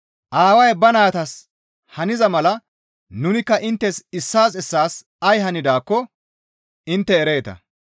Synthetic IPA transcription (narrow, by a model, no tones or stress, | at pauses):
ʔaːwɐjbɐnaːt̪ɐs | hɐnɪzɐmɐlɐ | nʊnɪkːɐʔɪnt̪ːɛsɪsːaːsɛsːaːs | ɐjɦɐnɪd̪aːkːɔ | ɪnt̪ːɛːɾe̞ːt̪ɐ̰